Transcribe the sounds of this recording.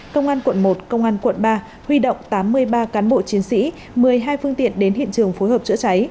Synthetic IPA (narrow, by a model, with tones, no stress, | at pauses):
kə˧wŋ͡mʔaː˧nkwə̰˧˩nmo˨˩t̚kə˧wŋ͡mʔaː˧nkwə̰˧˩˨nɓaː˧ | hwi˧ɗə̰˧˨wŋ͡mt̪aː˨˦mːɨ˧əjɓaː˧kaː˨˦nɓo̰˧˨t͡ɕi˨˦ənsḭ˧˥ | mɨ˨˩əjɦaː˧jfɨ˧əŋt̪ḭ˧˨ənɗe˨˦nhḭ˧˨nt͡ɕɨ˨˩əŋfo˨˦jɦəː˨˩p̚t͡ɕɨ̰˧˥ət͡ɕa˨˦j